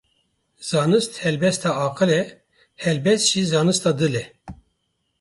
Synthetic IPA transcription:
z̥ɑːnɨst̪hɛlbɛst̪ɑːɑːqɨlɛ | hɛlbɛst̪ʒ̥izɑːnɨst̪ɑːd̪ɨlɛ

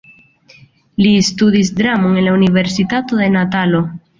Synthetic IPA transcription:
liest̪uðisd̪ɾamoŋenlauniβeɾsit̪at̪oðe̞nat̪alo

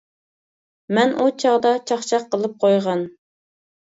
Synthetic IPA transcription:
mɛnʔut͡ʃʰɑʁd̪ɑt͡ʃʰɑχt͡ʃʰɑqːəlˠɨp̚qʰojʁɑn

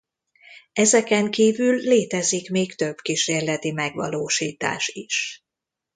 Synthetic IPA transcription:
ɛzɛkɛŋkiːvylːeːt̪ɛzikmeːkt̪ø̞b̥kiʃeːrlɛt̪imɛɡʋɒ̰loːʃiːt̪a̰ːʃiʃ

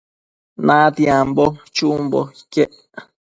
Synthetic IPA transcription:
nat̪iambot͡ʃumbo̰i̥keʔ

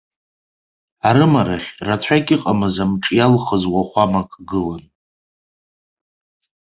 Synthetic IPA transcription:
aɾɨmaɾaχʲrat͡ɕʷʰakʲʼɪqʼamazamʈ͡ʂʼjalχəzwaχʷamakʼɡɨlan

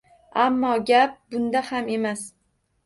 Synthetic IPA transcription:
amːɒɡʲap̚bʊnd̪ahame̞mas

